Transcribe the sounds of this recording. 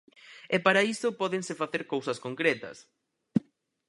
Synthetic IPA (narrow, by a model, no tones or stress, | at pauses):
ɛpaɾaisʊpɔðeŋsɪfaθeɾkowsɐskoŋkɾɛt̪ɐ̰s